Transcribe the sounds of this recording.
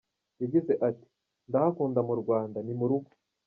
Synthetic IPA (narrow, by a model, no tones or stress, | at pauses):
jaɟize̞ʔati̥ | ndahakuːndamuɾɡwaːndanimuɾuɡo̥